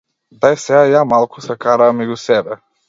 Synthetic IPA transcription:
d̪ajsɛajamalˠkʊsakaɾaːmɛɡʲusɛbɛ

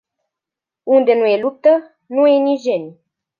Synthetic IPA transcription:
und̪enujelup̚t̪ə | nujeniʒenʲ

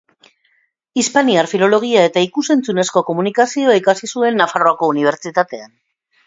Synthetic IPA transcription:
ispaniaɾfilo̞lo̞ɣ̞iae̞t̪aikuse̞nt͡sune̞sko̞ko̞munikasio̞aikasisue̞nːafaro̞ako̞uniβ̞e̞ɾt͡ʃit̪at̪e̞an

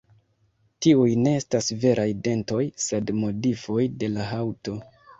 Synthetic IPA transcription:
tiujne̞estasve̞ɾʔajde̞nto̞jse̞dmo̞difo̞jde̞laɦawto̞

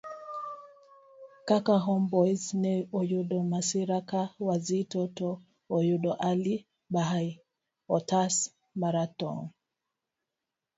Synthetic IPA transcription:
kakaɦɔmbɔjznɛɔjuɗɔmasiɾakawazitɔtɔ | ɔjuɗɔʔali | ɓaɦai | ɔtas | maɾatɔ̰ŋ

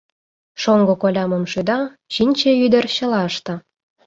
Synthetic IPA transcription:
ʃoŋɡokolʲɑməmʃyd̪ɑ | t͡ɕinʲt͡ɕeyd̪ə̆rɕə̆lɑəʃt̪ɤ̆

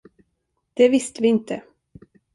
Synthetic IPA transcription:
d̪̥ɛvɪst̪əvɪɪnt̪ʰə

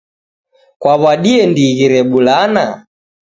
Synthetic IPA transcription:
kwaβaɗiɛndiɣiɾɛɓulana

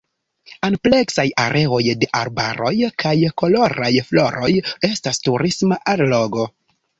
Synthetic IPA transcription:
anple̞ksajaɾʔe̞o̞jde̞ʔaɾba̰ɾo̞jkʰajko̞lo̞ɾajflo̞ɾʔo̞je̞stastuɾismaʔallo̞ɡo̞

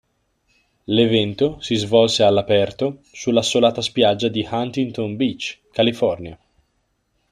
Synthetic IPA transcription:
levɛnt̪osizvɔlsealːapɛrt̪osulːasolaːt̪aspjad͡ʒːad̪ihant̪int̪onbit͡ʃːkalifɔrnja

